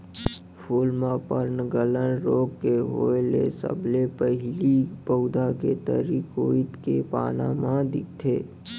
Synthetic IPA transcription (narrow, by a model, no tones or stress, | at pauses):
pʰuːlmãpəɾnəɡələnɾoːɡkeɦoːelesə̰bʱlepəɦɪlibəʊd̪aket̪ə̰ɾikoːɪt̪kepaːna̰mãd̪ɪkʰt̪ʰeː